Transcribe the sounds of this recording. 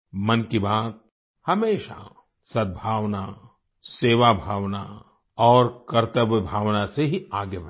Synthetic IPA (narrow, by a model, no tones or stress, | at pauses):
mɐnkibaːt̪̚ | hɐmeːʃa̰ | sɐd̪̚bʱaːʋna | seːʋabʱaːʋna | ɔːɾkɐɾt̪əbjəbʱaːʋnaseɦiaːɡjəb